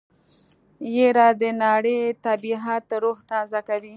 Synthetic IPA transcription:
jeɾɑd̪ənɑɽet̪abiɦat̪ɾoxt̪azakawi

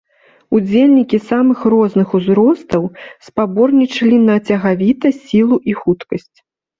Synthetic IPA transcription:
ud͡zʲelʲnʲikʲisamɨxrɔznɨxuzɾɔst̪ɐwspabɔrnʲit͡ʂɐlʲinɐt͡sʲɐɣavʲit̪ɐsʲilˠuʔixut̪kɐsʲt͡sʲ

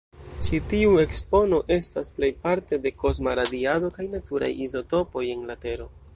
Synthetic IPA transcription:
t͡ʃitiue̞kspo̞no̞ʔe̞stasple̞jpaɾte̞de̞ko̞zmaɾadiado̞kajnatuɾa̰jizo̞to̞po̞je̞nlate̞ɾo̞

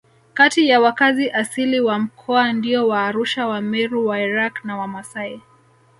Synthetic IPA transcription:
katijawakaziʔasiliwam̩kʰɔandiɔwaːɾuʃawamɛɾuwaiɾaknawamasai

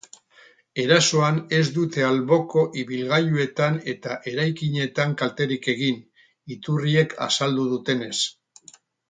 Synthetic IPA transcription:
e̞ɾaso̞ane̞zd̪ut̪e̞alβo̞ko̞ʔiβilɣajue̞t̪ane̞t̪aʔe̞ɾajkiɲe̞t̪aŋkalt̪e̞ɾike̞ɣin | it̪urie̞kʰa̰sald̪uð̞ut̪e̞ne̞s

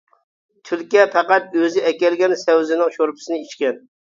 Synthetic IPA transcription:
t̪ʰylkʲɛpʰæqɑt̪øzɪɛkʲɛlɡʲɛnsɛwzɪnɪŋʃoɾpʰɪ̥sɪnɪit͡ʃkʲɛn

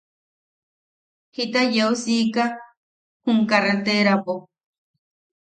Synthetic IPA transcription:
hit̪ajeusika | huŋkaret̪eɾapo

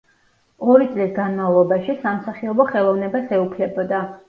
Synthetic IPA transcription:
ɔɾit̪sʼlisɡanmavlˠɔbaʃisamsaχiɔbɔχɛlˠɔvnɛbasɛupʰlɛbɔd̪a

